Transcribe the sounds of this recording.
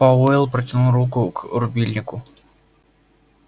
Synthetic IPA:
ɐvoɪlˠpɾətʲɪnulˠɾukʊkrʊbʲilʲnʲɪkʊ

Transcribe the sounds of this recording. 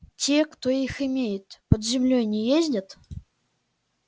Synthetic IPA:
tʲekt̪oixɨmʲejɪt̪pəd̪zʲɪmlʲojnʲejezʲdʲat̪

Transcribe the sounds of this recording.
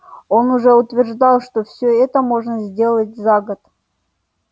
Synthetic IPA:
onʊʐɛʊt̪vʲɪrʐd̪ɑlˠʂt̪ofsʲɵɛt̪əmo̞ʐnəzʲdʲe̞lˠətʲzaɡət̪

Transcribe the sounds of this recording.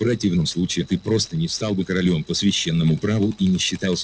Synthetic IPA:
vɾɐtʲivnəmslˠut͡ɕɪɪt̪ɨpɾo̞st̪ənʲɪfst̪alˠbɨkəɾɐlʲo̞mpəsvʲɪɕːenːəmʊpɾavʊʔinʲɪɕːɪt̪alˠsʲ

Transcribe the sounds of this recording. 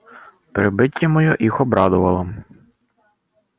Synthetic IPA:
pɾɪbɪtʲːɐmɔjɔʔixɔbɾɑd̪ʊʋɐlˠɐ

